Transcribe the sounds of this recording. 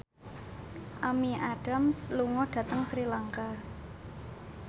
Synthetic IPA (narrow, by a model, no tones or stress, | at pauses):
ʔamiʔaɖ̥a̤msluŋɔɖ̥ä̤t̪əŋsɾilaŋka